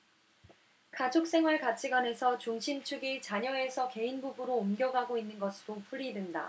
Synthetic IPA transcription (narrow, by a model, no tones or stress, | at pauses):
kad͡ʑok̚s͈e̞ŋɦwaɭkat͡ɕʰiɡwane̞sʰʌt͡ɕuŋɕʰimt͡ɕʰuɡit͡ɕaɲʌe̞sʰʌke̞inbubɯɾoːmɡjʌɡaɡoinːɯnɡʌsʰɯɾopʰuɾidwenda̰